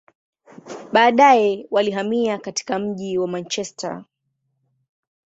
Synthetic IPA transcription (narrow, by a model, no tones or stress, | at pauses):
ɓaːɗajɛwaliɦamiakati̥kam̩ʄiwamant͡ʃɛsta̰